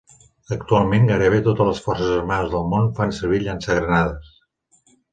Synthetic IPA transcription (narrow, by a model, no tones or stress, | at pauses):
ək̚t̪ualˠmeŋɡaɾəβet̪ot̪ələsfɔrsəzəɾmanəzðəlˠmonfansəɾβ̞iʎansəɣɾənaðəs